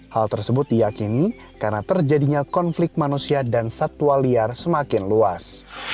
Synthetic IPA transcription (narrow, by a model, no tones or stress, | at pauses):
halt̪ərsəbʊt̪̚dijakini | karnat̪ərd͡ʒadiɲakɔnflɪk̚t̪̚manusiadansat̪uwaliarsəmakɪnluas